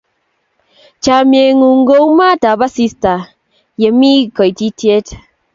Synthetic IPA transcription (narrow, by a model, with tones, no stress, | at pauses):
t͡ʃa˨mje˨ŋu˨ŋ˦ɡo˦wma˦ta˨ba˦si˦sta˨ | je˨mi˦kɔ˨jti˦te˦t